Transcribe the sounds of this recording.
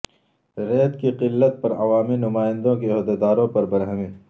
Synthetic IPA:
ɾeːt̪kiqɪlːət̪̚pɐɾɐʋaːminʊmaːɪ̃nd̪õkeɦɔːd̪ed̪aːɾõpɐɾbɐɾɦɐmĩː

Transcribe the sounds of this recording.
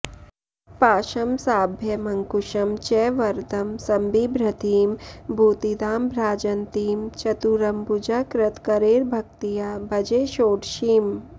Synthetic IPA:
paːʃɐmsaːbʱjɐmɐŋkuʃɐmt͡ʃɛʋɐɾd̪ɐmsɐmbiːbɾɐt̪iːmbʱuːt̪id̪aːmbɾaːd͡ʒɐnt̪iːmt͡ʃɐt̪uɾɐmbud͡ʒakɾɐt̪kɐɾeːɾbʱɐk̚t̪ijaːbʱɐd͡ʒeːʃoːʈʃiːm

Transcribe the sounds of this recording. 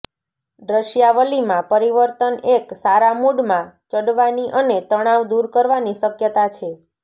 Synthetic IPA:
ɖɾəʃjaʋəlimãpəɾiʋəɾt̪əneksaɾamuɽmãt͡ʃəɽʋaniʔənet̪əɽ̃aʋd̪uɾkəɾʋaniʃəkjət̪at͡ʃʰe

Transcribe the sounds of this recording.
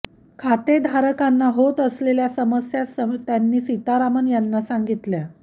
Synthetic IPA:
kʰat̪ed̪ʱaɾəkanːaɦot̪əsleljasəməsjasət̪janːiːsit̪aɾamənjanːasaŋɡit̪lja

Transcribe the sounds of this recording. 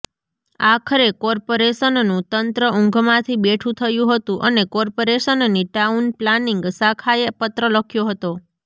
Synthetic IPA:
akʰəɾekɔɾpoɾesənnũt̪ənt̪ɾəʔʊ̃ŋɡʱmãt̪ʰibeʈʰũt̪ʰəjũɦət̪ũʔənekɔɾpoɾeʃənniʈaunplaniŋɡsakʰaepət̪ɾələkʰjoɦət̪o

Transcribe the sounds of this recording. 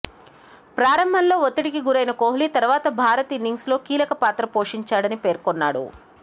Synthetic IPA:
pɾaːɾɐmbʱɐnlo̞ːot̪ːiʈikiɡuɾɐjnɐkoːɦlit̪ɐɾuʋaːt̪ɐbʱaːɾɐt̪inːiŋɡslo̞ːkiːlɐkɐpaːt̪ɾɐpo̞ːʂiɲt͡ʃaːɽɐnipe̞ːɾkonːa̰ːɽṵ

